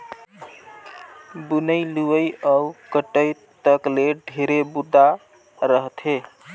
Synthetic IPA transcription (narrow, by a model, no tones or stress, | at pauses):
bunəjluəjəkəʈəjt̪əkleɖʱeɾebud̪ʱːa | ɾəɦt̪ʰe